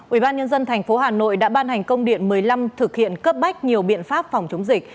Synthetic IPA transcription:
ʔwi˧˩ɓaː˧nɲə˧nzə˧nt̪ʰɛ˨˩ŋ̟fo˨˦ɦaː˨˩no̰˧˨jɗa̰ː˧˥ɓaː˧nha˨˩ŋ̟kə˧wŋ͡mɗḭ˧˨ənmɨ˨˩əjla˧mt̪ʰɨ˨˩k̚hḭ˧˨ənkəː˦˥p̚ɓa˦˥jk̟̚ɲi˨˩əwɓḭ˧˨ənfaː˦˥p̚fa˨˩wŋ͡mt͡ɕo˨˦ŋ͡mzï˨˩k̚

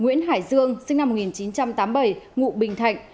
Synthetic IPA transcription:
ŋwḭ˧˥ənɦaː˧˩jzɨ˧əŋsɨ˧ŋna˧mːo˨˩t̚ŋi˨˩nt͡ɕi˨˦nt͡ɕa˧mt̪aː˨˦mɓə˧˩jŋṵ˧˨ɓï˨˩ŋ̟t̪ʰa˨˧˩jŋ̟

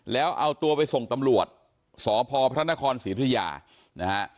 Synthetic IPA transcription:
lɛː˦˥wʔa˧wt̪u˧əpa˧jso˨˩ŋt̪a˧mɾu˨˩ət̪̚ | sɔː˩˦pʰɔː˧pʰɾa˦˥na˦˥kʰɔː˧nsiː˨˦t̪ʰja̰ː˧ | na˦˥ha˦˥ʔ

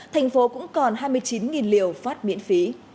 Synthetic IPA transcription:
t̪ʰa˨˩jŋ̟fo˨˦kʊ̰˧˥ŋ͡mkɔ˨˩nɦaː˧jmɨ˧əjt͡ɕi˨˦nŋi˨˩nli˨˩˨əwfaː˦˥t̚mḭ˧˥ənfi˨˦

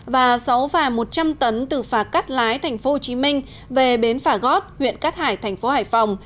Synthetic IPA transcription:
vaː˨˩sa˨˦wfaː˧˩mo˨˩t̚t͡ɕa˧mt̪ə˨˦nt̪ɨ˨˩faː˨˩t̚ka˦˥t̚laː˨˦jt̪ʰɛ˨˩jŋ̟fo˨˦ho˧˩t͡ɕi˨˦mï˧ŋ̟ | ve˨˩ɓe˨˦nfaː˧˩ɣɔ˦˥t̚hwḭ˧˨ənkaː˦˥t̚haː˧˩jt̪ʰɛ˨˩ŋ̟fo˨˦ha̰ː˧˨jfa˨˩wŋ͡m

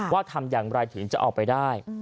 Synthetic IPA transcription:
waː˥˩t̪ʰa˧mjaː˨˩ŋɾa˧jt̪ʰɯ˩˦ŋt͡ɕa˨˩ʔɔ̰ː˨˩k̚pa˧jdaː˥˩j

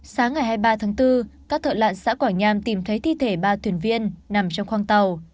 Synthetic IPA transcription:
saː˨˦ŋːa˨˩jhaː˧jɓaː˧t̪ʰaː˨˦ŋt̪ɨ˧kaː˦˥k̚t̪ʰə̰˧˨la̰ː˧˨nsa̰ː˧˥kwaː˧˩ɲaː˧mt̪i˧˩mt̪ʰə˨˦jt̪ʰi˧˨t̪ʰe˧˩ɓaː˧t̪ʰwi˨˧˩ənvi˧ənːna˨˩mt͡ɕɔ˧wŋ͡mxwaː˧ŋt̪ə˨˩w

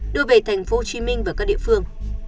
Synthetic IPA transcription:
ɗɨ˧əve˨˩t̪ʰa˨˩jŋ̟fo˨˦t͡ɕi˨˦mï˧ŋ̟vaː˨˩kaː˦˥k̚ɗḭ˧ə˨fɨ˧əŋ

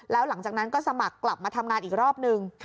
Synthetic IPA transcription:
lɛː˦˥wla˨˩˦ŋt͡ɕaː˨˩k̚na˦˥nkɔː˥˩sa˧ma˨˩kːla˨˩p̚maː˧t̪ʰa˧mŋaː˧nʔiː˨˩k̚ɾɔː˥˩p̚nɯ˧ŋ

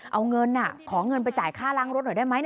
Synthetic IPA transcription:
ʔa˧wŋɤ˧nʔa˨˩kʰɔː˩˦ŋɤ˧np̬a˧jt͡ɕaː˨˩jkʰaː˥˩laː˦˥ŋɾo˦˥t̪̚n˨˩da˥˩jma˦˥jn

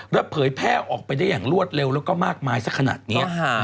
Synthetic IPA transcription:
ɾa˦˥pʰːɤː˩˦jpʰɛː˥˩ʔɔː˨˩k̚pa˧jdaː˥˩jaː˨˩ŋɾu˥˩ət̪̚le˧wlɛː˦˥wkɔː˥˩maː˥˩k̚maː˧jsa˦˥kʰːa˧na̰ː˨˩t̪̚ni˦˥ɐ˦

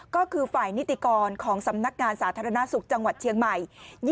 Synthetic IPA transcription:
kɔː˥˩kʰɯː˧faː˨˩jni˦˥t̪ːi˨˩kɔː˧nkʰɔː˩˦ŋsa˩˦mna˦˥k̚ŋaː˧nsaː˩˦t̪ʰaː˧ɾa˧na˦˥su˨˩k̚t͡ɕa˧ŋwa˨˩t̪̚t͡ɕʰi˧əŋma˨˩jj

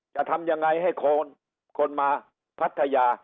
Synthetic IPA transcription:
t͡ɕa˨˩ʔt̪ʰa˧mja˧ŋːa˧jɦa˥˩jkʰo˧n | kʰo˧nmaː˧ | pʰa˦˥t̪ʰːa˧jaː˧

